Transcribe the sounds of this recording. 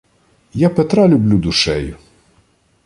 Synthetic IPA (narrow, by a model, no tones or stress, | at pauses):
japɛt̪ɾalʲʊblʲud̪ʊʃɛjʊ